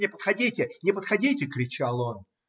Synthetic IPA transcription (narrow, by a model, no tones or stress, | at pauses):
nʲɪpə̥t̪xɐdʲitʲɪnʲɪpət̪xɐdʲitʲɪkɾʲɪt͡ɕalˠo̞n